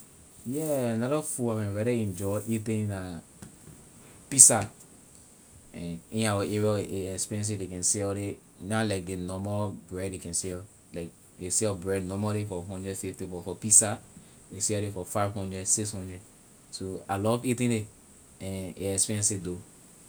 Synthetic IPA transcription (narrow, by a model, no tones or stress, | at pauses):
jɛnɔɾɔfuakɛ̃nɹɛɾaĩnd͡ʒɔʔitĩna | pisa | ɛ̃nĩnawaɛɹɔʔeɛkspiɹɛ̃ns̬idekɛ̃nsɛlɾe | nalaɪk̚denɔmabɹɛdekɛ̃nsɛl | laɪk̚ | desɛlbɹɛdnɔmalefɔɦɔ̃ndɹɛfeftibɔfɔpisa | desɛɾefɔfaɪvɦɔ̃ndɹɛdsikshɔ̃ndɹɛd | soalɔɾɔfitĩnde | ɛ̃nḛɛkspiɹɛ̃nsido